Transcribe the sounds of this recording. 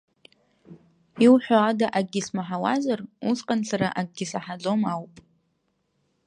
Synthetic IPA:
iwħʷᶣaadaʔaɡ̚ɡʲismaħawa̰zarusqʼanɬʰaɾaʔaɡ̚ɡʲisaħad͡zo̞mawpʼ

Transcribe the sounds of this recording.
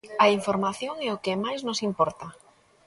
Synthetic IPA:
ɐiɱfoɾmaθjoŋɛʊkɪmajznosimpɔɾt̪a

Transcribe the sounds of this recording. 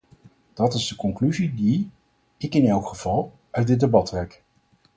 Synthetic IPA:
d̥ɑtɪzdəkɔŋklyzidi | ɪkɪnɛlˠkχəv̥ɑlˠ | œɥt̚dɪdebɑtrɛk

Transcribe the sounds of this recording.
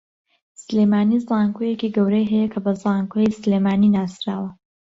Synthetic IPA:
sleːmaːnizɑːŋkojekiːɡɐwɾejɦɛjɐkʰɐbɐzɑːŋkoislemaːniːnaːsɾaːwɐ

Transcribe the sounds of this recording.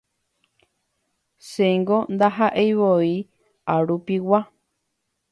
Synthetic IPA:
seŋɡond̪aɦaʔejβoi | aɾupiwa

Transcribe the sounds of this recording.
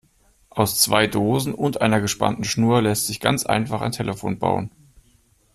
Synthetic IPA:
ʔaʊst͡sv̥aɪdoːzn̩ʊntʔaɪnɐɡəʃpa̰ntn̩ʃnuːɐlɛstz̥ɪçɡ̥a̰nt͡sʔa̰ɪnfaχaɪntʰɛlʔəfo̰ːnba̰ʊən

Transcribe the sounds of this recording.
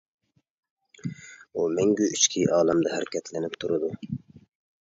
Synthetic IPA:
umɛŋɡʲyyt͡ʃkʲʰiʔɑːlˠɑmd̪ɛhæɾkʲɛt̪lɪnɪpt̪ʰuɾɨd̪u

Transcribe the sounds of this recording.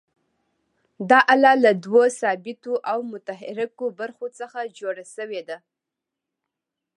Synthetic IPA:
d̪ɑʔalɑlad̪wosɑbɪt̪oʔawmʊt̪aɦɪɾakobaɾxot͡səxad͡ʒoɽasəwed̪a

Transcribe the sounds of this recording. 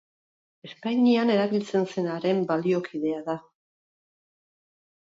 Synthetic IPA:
e̞spajɲiane̞ɾaβilt͡se̞nse̞naɾe̞mbalio̞kiðe̞aða

